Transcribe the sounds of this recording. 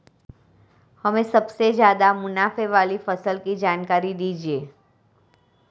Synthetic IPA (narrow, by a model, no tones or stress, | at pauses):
hɐmẽsɐbsezjaːd̪amʊnaːfeʋaːlifɐsəlkid͡ʒaːnkaːɾid̪iːd͡ʒieː